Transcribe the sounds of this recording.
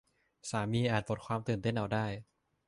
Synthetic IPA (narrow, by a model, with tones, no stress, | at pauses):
saː˩˦miː˧ʔaː˨˩t̪̚po˨˩t̚kʰwaː˧mt̪ɯː˨˩nt̪e˥˩nʔa˧wdaː˥˩j